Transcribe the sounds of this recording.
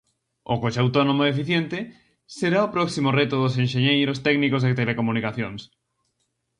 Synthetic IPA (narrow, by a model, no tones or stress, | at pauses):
ʊ̰kot͡ʃeawt̪ɔnomoefiθjent̪ɪ | seɾaopɾɔksimʊrɛt̪ʊðʊs̬enʃeɲejɾʊst̪ɛknikozðet̪elekomunikaθjoŋs